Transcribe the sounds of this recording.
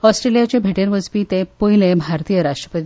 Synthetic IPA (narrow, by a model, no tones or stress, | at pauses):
ɔsʈɾelijat͡ɕebʱeʈeɾʋəd͡zpiːt̪ẽpoilebʱaɾt̪ijəɾaʂʈɾə̥pət̪i